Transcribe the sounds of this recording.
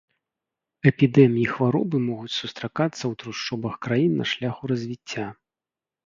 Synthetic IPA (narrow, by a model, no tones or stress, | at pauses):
ɛpʲid̪ɛmʲijixvaɾɔ̰bɨmɔɣut͡sʲsust̪ɾakat̪sːɐwt̪ɾuʂt͡ʂɔbɐxkɾajinːɐ̰ʂlʲaxuɾɐzʲvʲit͡sʲːa